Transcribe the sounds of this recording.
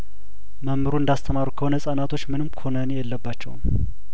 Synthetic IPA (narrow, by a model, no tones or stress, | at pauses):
məmːɨɾuɨnd̪ast̪ʰəmaɾukʰəhonəsʼənat̪ʰo̞t͡ʃːmɨnɨmkʰonənejɛlːəbːat͡ʃːɛ̰wm